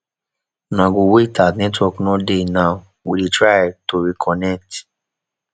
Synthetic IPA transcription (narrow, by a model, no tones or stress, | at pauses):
nãɡõwetatnɛtwɔknɔ̃denãʊ | wilitɹajtoɹikʰɔnɛk̚t